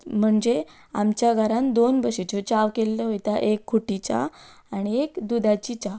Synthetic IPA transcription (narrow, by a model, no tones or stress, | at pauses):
m̤əɳd͡ze | a̰mt͡ɕjaɡʱaɾand̪onbəɕet͡ɕot͡ɕaʋkelːəɦojt̪aʔekʰːuʈit͡ɕa̰ | aɽ̃iekd̪ud̪at͡ɕit͡ɕa